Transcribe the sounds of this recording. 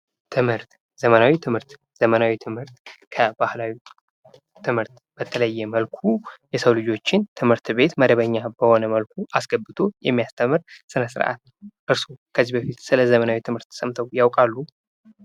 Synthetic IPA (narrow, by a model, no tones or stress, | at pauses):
t̪ʰɨmhɨɾt̪ | z̥əmənawit̪ʰɨmhɨɾt̪ | z̥əmənawit̪ʰɨmhɨɾt̪kʰəbahlawi | t̪ʰːɨmhɨɾt̪ | b̥ət̪ʰələjːɛməlkʰujɛsəwlɨd͡ʒo̞t͡ʃːɪnt̪ʰɨmhɨɾt̪be̞t̪məd̪əβəɲːab̥əho̞nəməlkʰuʔasɡəbːɨt̪ʰo̞jɛmːijast̪ʰəmɨɾsɨnəsɨɾʔa̰t̪ | ʔɨɾsukʰəzːibəfit̪sɨləzəmənawit̪ʰɨmhɨɾt̪ʰːə̥səmt̪ʰəwjawkʼalːu